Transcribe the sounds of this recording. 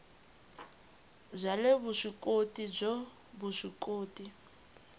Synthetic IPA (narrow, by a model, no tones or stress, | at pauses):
zʷaleβuʂʷikʼotʼib͡ʐo | buʂikʼoːtʼi